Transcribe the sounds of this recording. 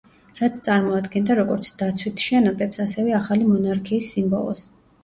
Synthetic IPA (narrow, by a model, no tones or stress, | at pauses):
ɾat̪sʰt̪sʼaɾmɔad̪ɡɛnd̪aɾɔɡɔɾt̪sʰd̪̥at̪sʰwit̪ʰʃɛnɔbɛpsasɛvɛaχalimɔnaɾkʰiːsːimbɔ̰lˠɔ̰s